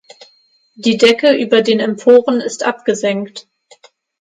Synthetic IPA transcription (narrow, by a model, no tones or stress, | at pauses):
d̥iːdɛkəʔyːbɐdeːnɛmpʰoːʁənɪstʔa̰p̚ɡ̥əzɛŋkt